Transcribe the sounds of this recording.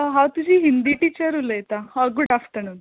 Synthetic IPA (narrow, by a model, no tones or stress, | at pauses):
ɦãwt̪ud͡ʑʱiːɦind̪iʈiːt͡ɕəɾuləjt̪aaɡuɖafʈ̪əɳun